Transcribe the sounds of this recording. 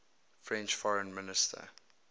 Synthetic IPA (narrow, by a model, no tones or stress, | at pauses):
fɹɛ̃nt͡ʃfɔɹə̃nmɪnɪstʰə̰